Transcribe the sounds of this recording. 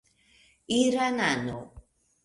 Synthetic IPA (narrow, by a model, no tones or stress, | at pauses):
iɾanano